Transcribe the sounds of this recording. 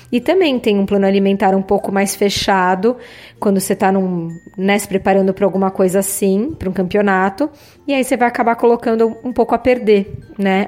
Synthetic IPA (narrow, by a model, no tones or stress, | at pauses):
ɪt̪ɐ̃mbẽj̃t̪ẽj̃ũplɐ̃nʊalimẽnt̪aɾũpowkʊmajsfeʃad̪ʊkwɐ̃nd̪ʊset̪anũnɛsɪ̥pɾepaɾɐ̃nd̪ʊpɾɐawɡũmɐkojzɐsĩpɾɐũkɐ̃mpionat̪ʊ | ɪaisevajakabaɾkolokɐ̃nd̪ʊũpowkʊɐpeɾd̪enɛ